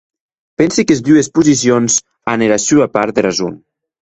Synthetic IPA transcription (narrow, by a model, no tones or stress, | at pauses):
pɛnsikezd̪uespuzis̬ionz | aneɾasyapaɾt̪̚d̪erazṵn